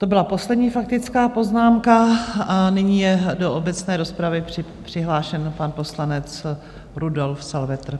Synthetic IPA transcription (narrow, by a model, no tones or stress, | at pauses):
t̪obɪlapo̞slɛdɲiːfak̚t̪ɪt͡skaːpo̞znaːmkaanɪɲiːjɛdoʔobɛt͡snɛːɾo̞spɾavɪ̥ɪpr̝̥ɪɦlaːʃɛnpanpo̞slanɛt͡s | ɾudolfsalvɛt̪r̩